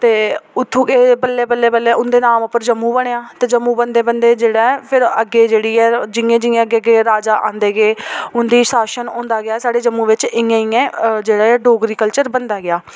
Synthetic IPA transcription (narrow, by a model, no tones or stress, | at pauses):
t̪eːʊt̪ʰːũːkeːpəlːeːpəlːeːpəlːeːʊnd̪eːnaːmʊpːəɾd͡ʒəmːũːbəɽ̃eːãːt̪eːd͡ʒəmːũːbənd̪eːbənd̪eːd͡ʒeːɽaːpʰɪɾəɡeːd͡ʒeːɽiːɛːd͡ʒɪẽːd͡ʒɪŋẽːəɡeːəɡeːɾaːd͡ʒaːʔã̰ːnd̪eːɡeːʊnd̪iːsaːʃənõːnd̪aːɡɪaːsaːɖeːd͡ʒəmːũːʋɪt͡ʃɪjãːɪ̃ːẽːd͡ʒeːɽaːɖoːɡɾiːkəlt͡ʃəɾbənd̪aːɡɪjaː